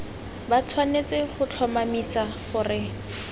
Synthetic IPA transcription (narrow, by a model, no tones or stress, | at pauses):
bat͡sʰwanet͡sɪχʊt͡ɬʰɔmamisaχʊrɪ